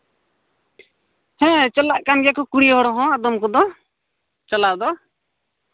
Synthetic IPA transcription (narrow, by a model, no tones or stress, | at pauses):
hɛ̃t͡ʃɔlaʔkanɡɛjakɔkuɽiɦɔɽɔɦɔ̃ad̪ɔmkɔd̪ɔ | t͡ʃɔlaʔd̪ɔ